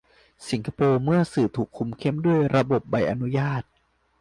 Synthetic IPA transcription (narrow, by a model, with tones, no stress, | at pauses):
si˩˦nkʰa˧˥poː˧mɯ˥˩ɐsɯː˨˩t̪ʰuː˨˩kʰːu˧mkʰe˥˩mdu˥˩əjɾa˧bo˨˩p̚ba˧jʔa˧nu˦˥jaː˥˩t̪̚